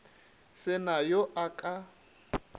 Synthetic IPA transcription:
sɪnajɔʔakʼa

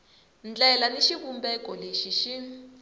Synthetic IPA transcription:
nd͡ɮɛlaneʃiβumbɛkɔleʃiʃi

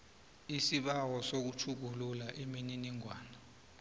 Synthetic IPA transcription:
isiɓawɔsok̬ut͡ʃʰuk̬ululaʔemininiŋʱwaːnɔ

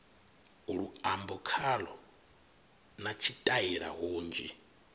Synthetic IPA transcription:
uɺuambɔkʰalɔ̰ | nat͡ʃʰitʼaiɺa̰ɦoːnd͡ʒi

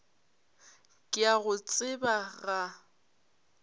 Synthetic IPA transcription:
kʼɪaɣʊt͡sʼɪbaɣa

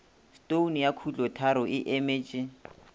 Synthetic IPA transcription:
stonijakʰut͡ɬʼɔtʰaɾɔʔɪʔemeːt͡ʃʼɪ

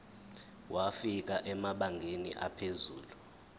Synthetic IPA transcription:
wʔafik̬aʔɛmaɓaŋʱenḭʔa̰pʰezuːlu

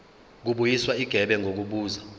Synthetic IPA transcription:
k̬uɓujiswaiɡ̥ʱɛɓɛŋʱok̬uɓuːza

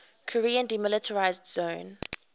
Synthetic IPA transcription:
kʰɔɹiːə̃ndimɪlɪtʰəɹaɪzdz̥õʊ̃n

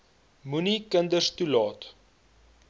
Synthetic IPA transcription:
munikəndəstulɑːt

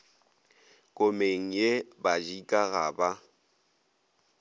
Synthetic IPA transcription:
kʼʊmeŋ̩jebad͡ʒikʼaɣa̰ba

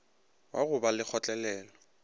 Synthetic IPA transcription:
waɣʊbalɪk͡xʰɔt͡ɬʼɛlɛːlɔ

